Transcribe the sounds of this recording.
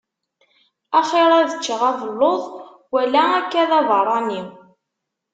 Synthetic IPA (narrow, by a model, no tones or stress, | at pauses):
æχeɾˤæðət͡ʃːəʁævəlːoðˤ | wælæækːæðævərˤːɑniw